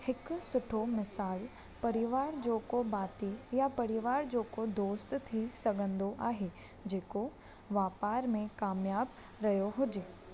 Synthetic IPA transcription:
hɪksʊʈʰomɪsaːl | pɐɾɪʋaːɾd͡ʒoːkobaːt̪ijapɐɾɪʋaːɾd͡ʒoːkod̪oːst̪t̪ʰisɐɡʱə̃nd̪oʔaːɦeː | d͡ʒeːko | ʋaːpaːɾmẽkaːmjaːb | ɾɐɦjoɦʊd͡ʒeː

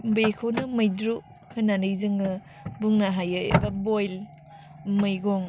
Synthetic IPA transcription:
bejkʰownɯmɯjdɾu | hʰɯnanɯjzɯŋɯ | buŋnaɦajɯbɐbojl | mɯjɡɔŋ

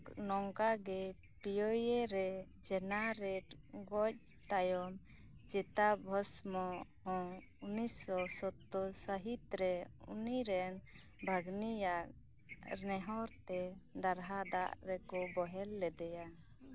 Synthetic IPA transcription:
knɔŋkaɡɛ | pijɔjeɾɛ | d͡ʒɛnaɾɛʈɡɔc̚ | t̪ajɔm | d͡ʒɛt̪abʱɔsmɔhɔ̃ | unisɔsɔt̪ːɔsəɦit̪ɾɛṵniɾɛn | bʱaɡnijaʔ̚ | ɾnɛɦɔɾt̪ɛd̪aɾɦad̪a̰ʔɾɛkɔbɔɦɛlːɛd̪ɛja

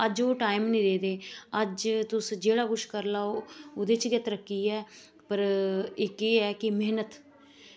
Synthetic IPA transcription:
əd͡ʒoːʈaːimnĩːd̪eːd̪eːəd͡ʒt̪ʊsd͡ʒeːɽaːkʊʃkəɾlaːoʊd̪eːt͡ʃɡət̪ɾəkːiːɛː | pəɾɪkeːɛːkɪmeːnət̪

